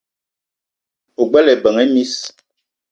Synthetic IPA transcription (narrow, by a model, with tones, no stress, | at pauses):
o˨ɡ͡bɛ˦lɛ˨bə˨ŋɛ˦mi˦s